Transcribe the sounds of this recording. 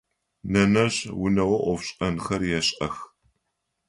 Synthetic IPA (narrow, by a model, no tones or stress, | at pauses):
nɐnɐɕwʊnɐwɐʔʷɔfɕʼɐnxɐrjɛɕʼɐx